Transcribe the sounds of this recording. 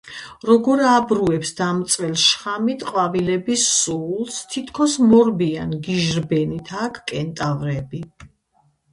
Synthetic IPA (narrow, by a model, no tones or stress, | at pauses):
ɾɔɡɔɾabɾuɛpsd̪̥amt̪sʼvɛlˠʃχamit̪ʰʼqʼwavilɛbisːulˠst̪ʰit̪ʰkʰɔsmɔɾbianɡiʒɾbɛnit̪ʰaːkʰkʼɛnt̪ʼavɾɛbi